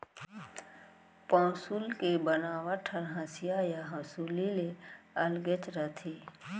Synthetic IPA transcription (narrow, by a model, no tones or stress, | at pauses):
pãːsulkebənaːwaʈʰəɾɦãːsijajaɦãsulileəlɡet͡ʃɾət̪ʰiː